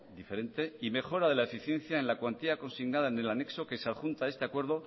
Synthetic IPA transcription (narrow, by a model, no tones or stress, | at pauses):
d̪ife̞ɾe̞nt̪e̞ime̞χxo̞ɾaðe̞lae̞fiθje̞nθjaenlakwant̪iako̞nsiɣnaðaene̞lane̞kso̞ke̞saðxunt̪ae̞st̪eakwe̞ɾð̞o